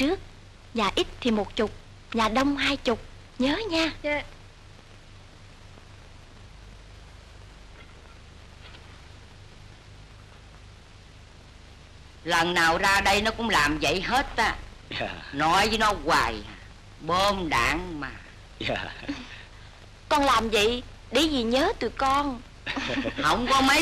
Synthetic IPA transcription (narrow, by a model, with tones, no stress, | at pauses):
t͡ɕɨ˦˥ək̚ | zaː˨˩ʔi˦˥t̚t̪ʰi˨˩mo˨˩t̚t͡ɕʊ˨˩k͡p̚ | zaː˨˩ɗə˧wŋ͡mɦaː˧jt͡ɕʊ˨˩k͡p̚ | ɲəː˨˦ɲaː˧ | lə˨˩nnaː˨˩wzaː˧ɗə˧jnɔ˨˦kʊ̰˧˥ŋ͡mlaː˨˩mzə̰˧˨jɦe˦˥t̚ʔaː˨˦ | nɔ˨˦jzɨ˨˦nɔ˨˦ɣwaː˨˩j | ɓə˧mɗa̰ː˧˩ŋmaː˨˩ | kɔ˧nlaː˨˩mvə̰˧˨ | ɗe˧˨˩zi˨˩ɲəː˨˦t̪ɨ˨˩kɔ˧n | hə̰˧˥wŋ͡mkɔ˨˦mə˨˦